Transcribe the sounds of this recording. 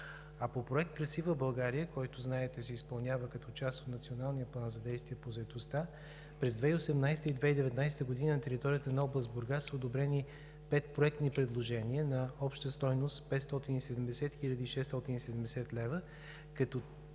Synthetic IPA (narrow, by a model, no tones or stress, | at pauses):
ɐpopɾoɛk̚t̪̚pɾɛsivəbɐlˠɡaɾijəkɔjt̪ʊznaɛt̪ɛsɛispɐlˠnʲjavəkɐt̪ɔt͡ʃast̪ot̪nɐt̪sionalˠnijəplˠanzɐd̪ɛjst̪viɛpozɐɛt̪ost̪a | pɾɛzd̪vɛiosɛmnajsɛ̥t̪əid̪vɛid̪ɛvɛt̪najsɛ̥t̪əɡod̪inənɐt̪ɛɾit̪ɔɾijət̪ənɐɔblˠəzbʊɾɡasəod̪obɾɛni | pɛt̪̚pɾoɛk̚t̪nipɾɛd̪lˠoʒɛniənɐɔpʃt̪əst̪ɔjnost̪pɛt̪st̪ɔt̪inisɛd̪ɛmd̪ɛsɛt̪xilʲəd̪iːʃɛst̪ɔt̪inisɛd̪ɛmd̪ɛsɛt̪lɛvə | kɐt̪ɔ